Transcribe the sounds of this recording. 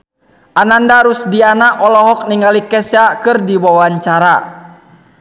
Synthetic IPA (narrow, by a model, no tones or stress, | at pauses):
ʔanandaɾusdianaʔɔlɔɦɔk̚niŋalikɛsakɨrdiwawaɲt͡ʃaɾa